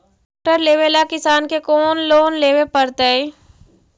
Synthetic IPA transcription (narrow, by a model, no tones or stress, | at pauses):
k̚ʈəɾleːʋelakɪsaːnkekoːnloːnleːʋepəɾt̪ee